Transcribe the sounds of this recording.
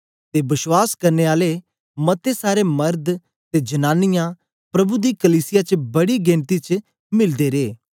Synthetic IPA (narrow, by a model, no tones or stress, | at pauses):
t̪ebɪʃwaːskɐɾneaːle | mɐt̪esaːɾemɐɾd̪ | t̪ed͡ʒɐnaːnɪjã | pɾɐbud̪ikɐliːsɪjat͡ʃbɐɽiɡẽːnt̪it͡ʃ | mɪld̪eɾeː